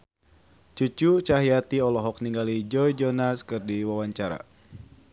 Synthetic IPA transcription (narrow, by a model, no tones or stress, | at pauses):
t͡ʃut͡ʃut͡ʃaɦiat̪iɔlɔɦɔk̚niŋɡalid͡ʒɔjd͡ʒɔnaskɨrdiwawaɲt͡ʃaɾa̰